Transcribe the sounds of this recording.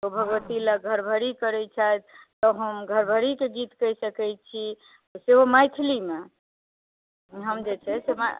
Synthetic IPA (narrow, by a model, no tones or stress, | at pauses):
t̪obʱəɡʋət̪iləɡʱəɾbʱəɾikəɾɛt͡ʃʰajt̪t̪ɔɦəmɡʱəɾbʱəɾikeɡit̪kəjsəkɛj̚t͡ʃʰi | seɦomajt̪ʰilime | ɦəmd͡ʒet͡ʃʰɛsema̰